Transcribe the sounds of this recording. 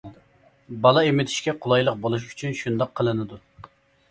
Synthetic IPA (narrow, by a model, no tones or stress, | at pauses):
bɑlˠɑemɪt̪ʰɪ̥ʃkʲɛqʰʊlˠɑjlˠəq̚bolˠuʃ̬y̥t͡ʃʰynʃund̪ɑqʰːəlˠɨnɨd̪u